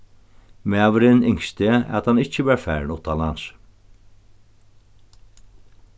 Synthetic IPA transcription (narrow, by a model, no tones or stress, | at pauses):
meːɑʋəɾɪnʏŋst̪eːæ̰ːɑt̪hɑnɪc͡çəbæːɾfæːɾɳʊt̪ɑlɑnʃ